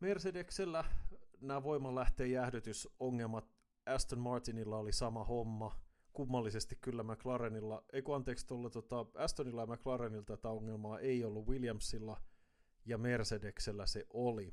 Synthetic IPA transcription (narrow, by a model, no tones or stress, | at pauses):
mersedekselːænæːʋo̞imɑlæht̪eːjæhdøt̪ysoŋːelmɑt̪ | æst̪onmɑrt̪inilːɑolisɑmɑhomːɑ | kumːɑlːisest̪ikkylːæmæklɑɾenilːɑeikuɑnt̪eːkst̪olːet̪ot̪ɑæst̪onilːɑjɑmæklɑɾenilt̪æt̪æoŋːelmɑːʔeiolːuwiljɑmsilːɑ | jɑme̞rsedekselːæseʔoli